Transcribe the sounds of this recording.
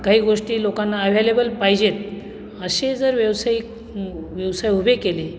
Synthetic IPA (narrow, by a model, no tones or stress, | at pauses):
kaɦiːɡoʂʈiːlokanːaːʋ̤ʱelebəlpajd͡ʑet̪̚ | əɕed͡zəɾʋjəwsajik | ʋjəʋsajɦubekele